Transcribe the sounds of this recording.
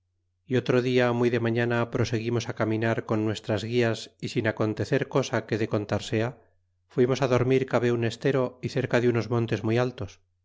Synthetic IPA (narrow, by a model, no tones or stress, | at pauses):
io̞t̪ɾo̞ðiamwujðe̞maɲanapɾo̞se̞ɣ̞imo̞sakamĩnaɾko̞nːwe̞st̪ɾazɣiasisinako̞nt̪e̞θe̞ɾko̞sake̞ðe̞ko̞nt̪aɾse̞a | fwimo̞saðo̞ɾmiɾkaβe̞une̞st̪e̞ɾo̞iθe̞ɾkaðeuno̞zmo̞nt̪e̞zmujalt̪o̞s